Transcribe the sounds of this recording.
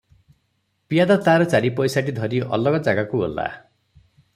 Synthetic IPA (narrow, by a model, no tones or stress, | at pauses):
pijad̪at̪aɾʌt͡saɾipɔjsaʈid̪ʱʌɾiʔʌ̰lɔɡʌd͡zaɡakuɦo̰lːa̰